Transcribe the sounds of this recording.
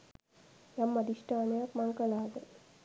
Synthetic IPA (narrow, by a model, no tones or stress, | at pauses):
jamːɐd̪iʂʈaːnejakmaŋkəlaːd̪ə